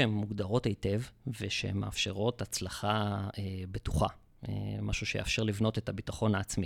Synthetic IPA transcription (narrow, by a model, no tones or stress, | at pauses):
emːuɡd̪aʁo̞tejte̞vveʃehemːḛa̰fʃe̞ʁo̞tat͡slaχaebetuχa̰ | ḛmaʃuʃeja̰fʃe̞ʁlivno̞te̞tabitaχo̞naːt͡smi